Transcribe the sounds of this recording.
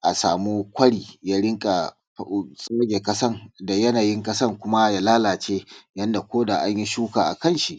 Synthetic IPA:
ʔa˨saː˨muː˦kʷɐ˦ɽiː˨jaː˦ɽɪ˦ŋkʼa˨ | sʼa˦ɡʲe˨kɐ˦sɐ˦ŋda˨jɐ˦naː˨jɪ˦ŋkʼɐ˦sɐ˦˨ŋkʷʊ˦ma˦ja˦laː˦laː˨t͡ʃeː˦jɐ˦nda˨kʷoː˦da˨ʔa˦ɲji˦ʃuː˦kaː˨ʔa̰˨kɐ˦˨nʃi˨ʔ

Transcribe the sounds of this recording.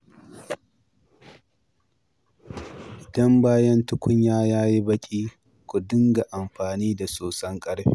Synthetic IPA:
ɪdɐ˦mbaː˦jɐ˦ntʊ˦kʷʊ˦ɲjaː˦jaː˦ji˦bɐ˦kʲʼiː˦ | kʷu˨dɪ˦ŋɡa˨ʔa˨mɸaː˨niː˦da˨soː˨sɐ˦ŋkʼɐ˦ɽɸe˦

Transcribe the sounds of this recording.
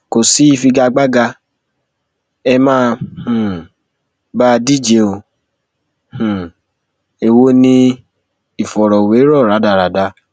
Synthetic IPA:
ko˨si˨˦i˦˧fi˧ɡa˧ɡ͡ba˦ɡa˧ | ɛ˧mãː˦˧hũ˨ | ba˦˧di˦˨d͡ʒe˨˦o˧ | hũ˨ | e˧wo˦nĩ˦ | i˨fɔ˨ɾɔ˨we˨˦ɾɔ˦˨ɾa˨˦da˧˨ɾa˨˦da˧

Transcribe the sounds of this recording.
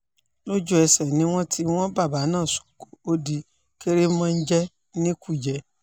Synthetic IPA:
lo˦d͡ʒu˦ɛ˧sɛ˨nĩ˦w̃ɔ̃˦tʰi˦w̃ɔ̃˦ba˦˨ba˨˦nãː˦˨so̥˨ko˨o˦di˧ | ke˦ɾe˦mã˦˧n̩˦d͡ʒɛ˦ | nĩ˦ku˦˨d͡ʒɛ˨˦

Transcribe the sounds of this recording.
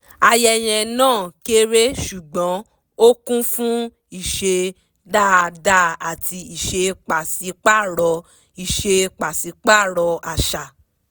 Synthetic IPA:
a˧jɛ˧j̃ɛ̃˧nãː˦˨ke˦ɾe˦ʃu˨ɡ͡bɔ̃˨˦ | o˦kũ˦fũ˦ | i˦˨ʃe˧ | da˦˨˧da˦a˨ti˧i˨ʃe˧k͡pa˨si˨˧˦k͡pa˦˨ɾɔ˧ | i˨ʃe˧k͡pa˨si˨˧˦k͡pa˦˨ɾɔ˧a˨ʃa˨

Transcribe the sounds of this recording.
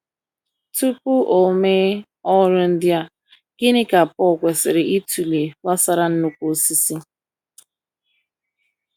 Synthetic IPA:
tu˦pu˦ʔo˨me˦ | ɔ˦ɾʊ˦n̩˦dɪ˦a˦ | ɡ̥ɪ˦nɪ˦ka˨pɔ˦˨kʷe˨sɪ˨ɾɪ˨ʔi˦tu˨le˨wa˦sa˦ɾa˦n̩˦nu˦kʷo˦˨si˦si˦

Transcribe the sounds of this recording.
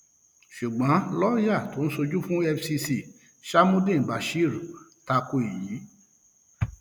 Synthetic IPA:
ʃu˨ɡ͡bɔ̃˨˦lɔ˦ja˦˨to˨˦ñ̩˦so˧d͡ʒu˦fũ˦ɛ˧fsi˧si˧˨ | ʃa˦mũ˦dĩ˦˨ba˨ʃi˦˨ɾu˨ta˧ko˧i˨ji˨˦

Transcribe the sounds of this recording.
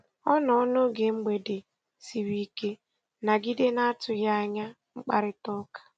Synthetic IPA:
ɔ˦nɔ˨ɔ˦no˦ɡe˨ŋ͡m̩˦ɡ͡be˨de˨ | si˨ɾi˦ke˦ | na˨ɡi˦de˦na˦a˦tʊ˨ja˦a˦ɲa˦ | ŋ͡m̩˦k͡pa̰˦ɾɪ˦tɔ˦kḁ˨

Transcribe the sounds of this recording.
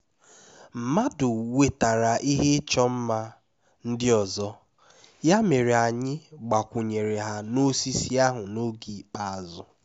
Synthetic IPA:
m̩˨ma˦dʊ˨we˨ta˨ɾa˨ʔi˦ɦe˦t͡ʃɔ˦m̩˦ma˦ | n̩˦dɪ˦ɔ˨zɔ˦ | ja˦me˨ɾe˨a˨ɲɪ˦ɡ͡ba˨kʷʊ˨ɲe˨ɾe˨ɦa˦no˦si˦si˦a˦ɦʊ˨no˦ɡi˨˦k͡pa˨a˨zʊ˨

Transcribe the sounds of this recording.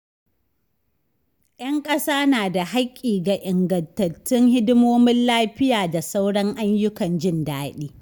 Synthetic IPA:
j̰ɐ˦ŋkʼɐ˦saː˦naː˨da˨ha˦kʲʼːiː˨ɡa˨ʔɪ˨ŋɡɐ˨ntɐ˨tːɪ˦ŋhɪ˦dɪ˦moː˦mɪ˦nlaː˦ɸɪ˦jaː˨da˨sa˦wɽɐ˦ŋʔa˦ɲjʊ˦kɐ˨nd͡ʒɪ˦˨ndaː˦ɗiː˦

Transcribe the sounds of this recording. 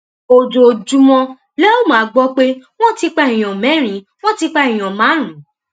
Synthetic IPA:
o˨d͡ʒo˨d͡ʒu˧˦mɔ̃˧ | lɛ˦o˦˨mã˨˦ɡ͡bɔ˧k͡pe˦w̃ɔ̃˦ti˧k͡pɛ˦˨ĩ˨ɔ̃˨mɛ̃˨˦˨ɾ̃ĩ˨˦ | w̃ɔ̃˦ti˧k͡pã˦˨ɔ̃˨mãː˨˦ɾ̃ũ˨˦

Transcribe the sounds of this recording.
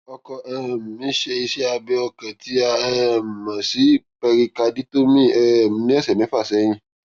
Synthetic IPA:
ɔ˧kɔ˧ɛ˦m˨mĩ˨˦ʃe˧i˧ʃɛ˦a˧bɛ˧˦ɔ˧kɛ̃˨ti˨˦a˧ɛ˦m̩˨mã˨si˨˦pɛ˧ɾi˧ka˧di˦to˦mĩ˦˨ɛ˦˨m̩˨nĩ˦ɛ˦sɛ˨mɛ̃˨˦fa˦˨sɛ˨˦j̃ĩ˧˦

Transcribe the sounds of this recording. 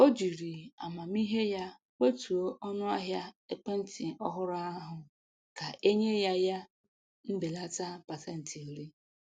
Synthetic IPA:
o˦d͡ʒi˨ɾi˨a̰˨ma˨m˦i˦ɦe˦ja˦ | we˦tu˨o˦ʔɔ˦nʊ˦a˦ɦja˦e˦k͡pe˦n̩˦ti˨ɔ̰˦ɦʊ˦ɾʊ˦a˦ɦʊ˨ | ka˨ʔe˦ɲe˦ja˦ja˦ | m̩˦be˨la˦ta˦pa˨se˦n̩˨tʰi˨o˨ɾi˦

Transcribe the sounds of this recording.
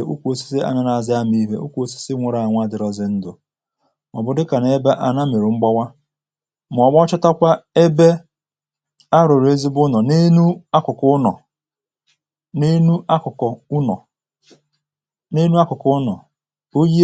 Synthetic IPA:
u˦kʷo˨si̥˦si˦a̰˦na˨na˨zɪ˦a˦m˦i˦ɦḛ˦ʔṵ˦kʷo˨si̥˦sɪ˦ŋʷe˨ɾa˨a˨ŋʷ˦a˦dɪ˨ɾɔ˦zɪ˨n̩˦dʊ˨ | m˨ɔ˨bʊ˨dɪ˦ka˨na˨e˦be˦ʔa˨na˦me˨ɾu˨ŋ͡m̩˦ɡ͡bɔ˦wa˦ | m̩˨ɔ˨ɡ͡bɔ˦t͡ʃɪ˦ta˦kʷa˦e˦be˦ | a˦ɾʊ˨ɾe˦zi˦bʊ˦nɔ˨ne˦nu˦a˦kʊ˨kʊ˦nɔ̰˨ | ne˦nu˦ʔa˦kʊ˨kɔ˨u˦nɔ̰˨ | ne˦nu˦a˦kʊ˨kʊ˦nɔ˨ | o˦ji˦

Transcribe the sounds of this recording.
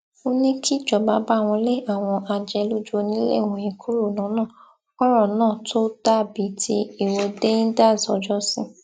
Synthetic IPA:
o˦nĩ˦kʰi˦˨d͡ʒɔ˨ba˨˧˦ba˦˨w̃ɔ̃˧le˦˨˦a˦˨w̃ɔ̃˧ʔa˧d͡ʒɛ˧lu˦d͡ʒo˧nĩ˦lḛ˦˨wɔ̃˧ĩ˧˨kʰu˦ɾo˦˨nã˨˦nãː˦˨ | ɔ˦ɾɔ˦˨nãː˦˨tʰo˦da˦˨bi˨˦tʰi˧˦i˦˨wɔ˧de˦nĩ˦da˦˨zɔ˧d͡ʒɔ˦sĩ˦

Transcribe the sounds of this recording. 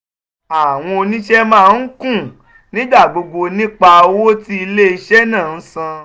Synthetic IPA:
a˨w̃ɔ̃˧o˧nĩ˦ʃɛ˦mãː˦˨˦n̩˦kũ˦˨ | nĩ˦ɡ͡ba˦˨ɡ͡bo˧ɡ͡bo˧nĩ˦k͡pa˧˦wo˦ti˦i˧le˦i˧ʃɛ˦nãː˦˨n̩˦sã˧

